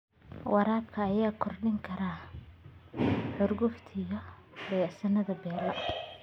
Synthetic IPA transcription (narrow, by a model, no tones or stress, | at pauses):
wɑɾaːbkʰɐːjaːkʰɔrɖɪŋkʰɐɾaː | ħʊrɡʊft̪ʰɪɣɐ | bɐjasɐnɐðɐbɛːlɐʔɐ